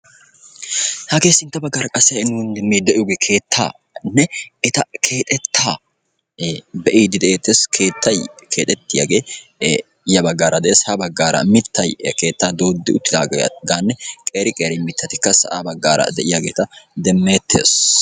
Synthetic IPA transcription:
hɐke̞ːsɪnt̪ːɐbɐɡːaːɾɐkʼɐsːɛɪnund̪ɛmːeːd̪ɛʔɪjoːɡeːkʰe̞ːt̪ʰːa̰ː | nːɛɛt̪ɐkʰe̞ːt̪ʼɛt̪ʰːaː | bɛʔiːd̪ɪd̪ɛʔeːt̪ːeːskʰeːt̪ːɐjkʰe̞ːt̪ʼɛt̪ːɪja̰ɡe̞ː | jɐbɐɡːaːɾʔɐd̪ɛʔeːshɐbɐɡːaːɾɐ̰mɪt̪ːɐjke̞ːt̪ːaːd̪o̞ːd̪ːɪʊt̪ːɪd̪a̰ːɡɡaːnːɛkʼeːɾɪkʼeːɾɪmɪt̪ʰːɐt̪ɪkːɐsɐ̰ʔabɐɡːaːɾɐ̰d̪ɛʔɪjaɡeːt̪ɐd̪ɛmːe̞ːt̪ʰːe̞̰ːs

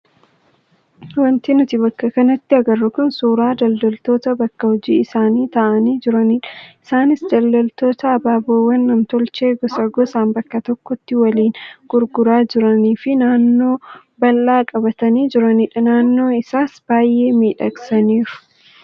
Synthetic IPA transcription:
wɐnt̪inʊt̪ɪbɐkːɐkɐnɐt̪ːɪɐɡɐrːʊkʊnsuːɾaːd̪ɐld̪ɐlt̪o̞ːt̪ɐbɐkːɐhɔd͡ʒiːɪsaːniːt̪ɐʔɐniːd͡ʒɪɾɐniᶑɐ̥ʔɪsaːnɪsd̪ɐlːɐlt̪o̞ːt̪ɐːbaːboːwɐnːɐmt̪ɔlt͡ʃe̞ːɡɔsɐɡɔsaːmbɐkːɐt̪ɔkːɔt̪ːɪwɐliːnɡ̥ʊɾɡʊɾaːd͡ʒɪɾɐniːfɪnaːnːo̞ː | bɐlːaːkʼɐbɐt̪ɐniːd͡ʒɪɾɐnɪᶑɐnaːnːo̞ːɪsaːsb̥aːjːe̞ːmiːᶑɐksɐniːɾʊ̥

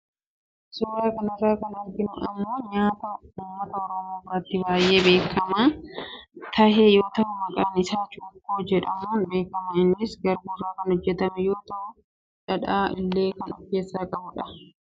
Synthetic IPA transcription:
suːɾaːkɐnɪrːaːkɐnɐɡɪnʊʔɪmːoːɲaːt̪ɐʊmːɐt̪ɐɔɾomoːrɐt̪ːɪbaːjʔeːbe̞ːkːɐmaː | t̪ʰɐheːjo̞ːt̪ɐhʊmɐkʼɐnɪsaːt͡ʃukːoːd͡ʒɛᶑɐmuːnbe̞ːkːɐmɐɪnːɪsɡɐɾbʊrːaːkɐnhɔd͡ʒːɛt̪ɐmɛjoːt̪ɐhʊ | ᶑɐᶑaːʔɪ̰lːeːkɐnɔkːeːsːaːkʼɐbʊᶑɐ

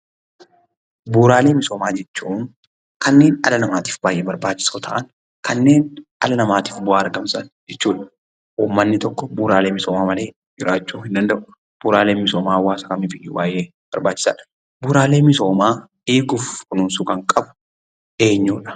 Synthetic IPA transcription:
buːɾaːleːmɪso̞ːmaːd͡ʒɛt͡ʃːuːn | kɐnːe̞ːnɐlɐnɐmaːt̪i̥ːfbaːjʔeːbɐɾbaːt͡ʃːɪ̥soːt̪ʰɐ̰ʔɐn | kɐnːe̞ːnʔɐlɐnɐmaːt̪i̥ːfbʊaːɐɾɡɐmsɐnd͡ʒɛt͡ʃːuːᶑɐ̥ | ʔuːmːɐnːɪt̪ɔkːɔbuːɾaːleːmɪsoːmaːmɐle̞ː | d͡ʒɪɾaːt͡ʃːuːhɪnd̪ɐnd̪ɐʔʊ | b̥uːɾaːleːmɪsoːmaːwːaːsɐkɐmɪfɪʔɪjṵːbaːjʔeː | b̥ɐɾbaːt͡ʃːɪ̥sa̰ːᶑɐ̥ | buːɾaːle̞ːmɪso̞ːmaː | eːɡʊfkʊnuːnsuːkɐŋkʼɐbʊ̥ | ʔe̞ːɲːuːᶑɐ̥

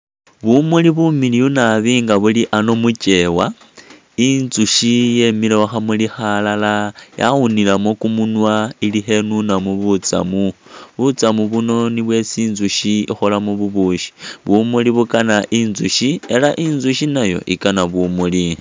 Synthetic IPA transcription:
βumuliβumiliunaβiːŋɡaβuliʔano̞mut͡ʃe̞wa | inzuʃijemilewaxamulixalalaja̰ɣunilamokumunwailiɦe̞nunamuβut͡sa̰muβut͡samuβuno̞niβwe̞siːnzuʃiḭxolamuβuβuːʃi̥βumuliβukanaʔinzuʃie̞laʔinzuʃinajo̞̰ʔikanaβumuli

